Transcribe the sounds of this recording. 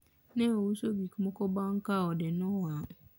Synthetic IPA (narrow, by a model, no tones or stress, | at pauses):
nɛ̃owusobikumɔ̃kɔbaŋ̩kaɔdɪnʊ̃wa